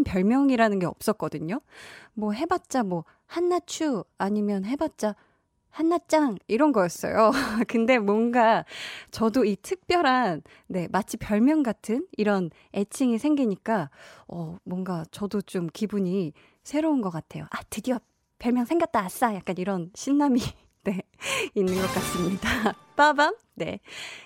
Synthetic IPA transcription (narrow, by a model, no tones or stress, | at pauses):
mpjʌɭmjʌŋiɾanɯnɡe̞ʌ̰p̚s͈ʌk̚k͈ʌdɯɲomwʌɦe̞bat̚t͡ɕ͈amwʌ | hanːat͡ɕʰuaɲimjʌnɦe̞bat̚t͡ɕ͈a | hanːat̚t͡ɕ͈aŋiɾʌnɡʌjʌs͈ʌ̰jokɯnde̞mwʌnɡat͡ɕʌdoitʰɯk̚p͈jʌɾanː | e̞mat͡ɕʰipjʌɭmjʌŋɡatʰɯniɾʌn | e̞t͡ɕʰiŋisʰe̞ŋɡiɲik͈aʌmwʌŋɡat͡ɕʌdot͡ɕomkibuɲi | sʰe̞ɾounɡʌk͈atʰe̞̰jo̰ʔatɯdiʌ | pjʌɭmjʌŋsʰe̞ŋɡak̚t͈aːs͈ajak̚k͈aniɾʌnɕʰinːami | ne̞ | inːɯnɡʌk͈as͈ɯmɲida | p͈abam | ne̞̰